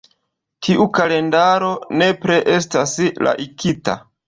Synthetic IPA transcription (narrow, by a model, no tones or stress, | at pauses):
tʰiʔukale̞ndaɾo̞ne̞pɾeʔe̞stasla̰ʔikita̰